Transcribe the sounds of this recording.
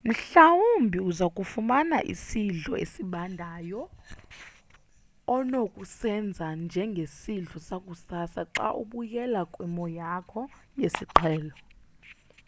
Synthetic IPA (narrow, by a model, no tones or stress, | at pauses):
m̩ɬawumbʱiuzakʼufumana̰ʔḭsiɮʱɔḛsiɓandʱajɔ | nokʼusɛnd͡zʱand͡ʒʱɛŋɡʱesiɮʱɔsak̬ʼusasaǁa̰ʔṵɓujɛlakʼwɛmɔjakʰɔjesiǃʰɛːlɔ